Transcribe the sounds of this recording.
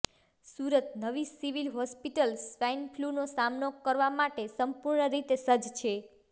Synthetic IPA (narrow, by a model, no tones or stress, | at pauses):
suɾət̪nəʋisiʋilɦɔspiʈəlspɛnfʰlunosamnokəɾʋamaʈesəmpuɾɳəɾit̪esəd͡ʒt͡ʃʰe